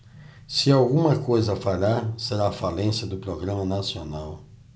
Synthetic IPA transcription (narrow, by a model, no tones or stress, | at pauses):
sɪawɡũmɐkojzɐfaʎaɾseɾaːfalẽsjɐd̪ʊpɾoɡɾɐ̃mɐnasionaw